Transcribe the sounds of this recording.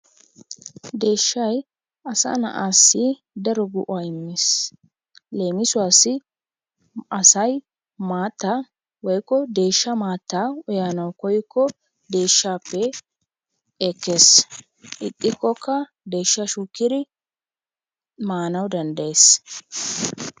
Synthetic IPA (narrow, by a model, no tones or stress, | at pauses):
d̪e̞ːʃːɐj | ɐsɐ̰nɐ̰ʔaːsːɪ | d̪ɐɾɔɡʊʔʊaɪmːes | le̞ːmɪsʊwaːsːɪ | ʔɐsɐj | maːt̪ːa | wɔjkːɔd̪e̞ːʃːɐmaːt̪ːaɔjaːnɐwkɔjkːɔ | d̪e̞ːʃːaːpːɛ | eːkːe̞ːs | ʔɪkʼːɪkːɔkːɐ | d̪e̞ːʃːɐʃukːɪd̪ɪ | maːnɐwd̪ɐnd̪ɐjeːs